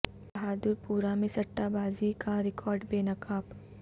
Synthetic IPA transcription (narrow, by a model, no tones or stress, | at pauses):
bɐɦaːd̪ʊɾpuːɾamẽsɐʈːabaːzikaɾɪkʰɔːɾɖbeːnɐkaːp